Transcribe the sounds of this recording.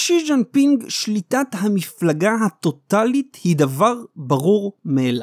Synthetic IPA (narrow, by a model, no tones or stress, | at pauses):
ʃid͡ʒenpiŋɡʃlit̪at̪hamiflaɡaɦat̪o̞t̪alit̪hid̪avaʁbaʁuʁmeela